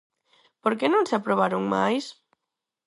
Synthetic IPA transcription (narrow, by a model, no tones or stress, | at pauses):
poɾkenõnseapɾoβ̞aɾoŋma̰js